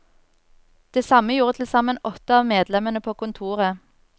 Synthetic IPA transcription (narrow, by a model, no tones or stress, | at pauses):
d̪̥eːsɑməjuːʁət̪ʰl̩sɑmənɔt̪əɑːʋmeːd̪lɛmənəpʰoːkʊnt̪ʰuːʁə